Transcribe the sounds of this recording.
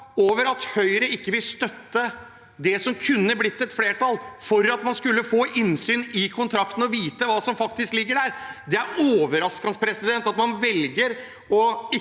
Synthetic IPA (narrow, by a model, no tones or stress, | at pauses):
oːʋəɾɑt̪hœʏɾəɪkːəʋɪlst̪œt̪ːə | d̪ɛsɔmkʰʉnːəblɪt̪ːɛt̪fleːʈɑlfɔɾɑt̪mɑnskʉlːəfoːʔɪnsyːnɪkʰʊnt̪ʰɾɑkt̪n̩ɔʋiːt̪əʋɑːsɔmfɑk̚t̪ɪsklɪɡːəɖæɾd̪ɛæɾoːʋəɾɑskɑnspʰɾɛsɪd̪ɛnt̪ɑt̪mɑnʋɛlɡəɾ | ɔɪ